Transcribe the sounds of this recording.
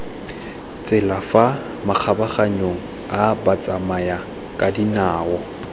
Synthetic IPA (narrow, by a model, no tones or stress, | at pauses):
t͡sʼɪlafa | mak͡xʰabaχaɲoŋ̩ | abat͡sʼamaja | kʼadinaːwɔ